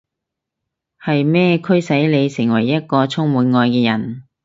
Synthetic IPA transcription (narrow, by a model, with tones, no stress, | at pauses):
hɐ˨jmɛː˥kʰɵ˥ɥsɐ˨˥jle˨˧jsɪ˨˩ŋwɐ˨˩jːɐ˥t̚kɔː˧t͡sʰʊ˥ŋmuː˨˧nŋɔː˧jkɛː˧jɐ̰˨˩n